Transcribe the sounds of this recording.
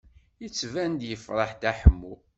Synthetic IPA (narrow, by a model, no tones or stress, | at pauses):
jət͡sːvænd̪jəfɾˤɑħd̪æħəmːu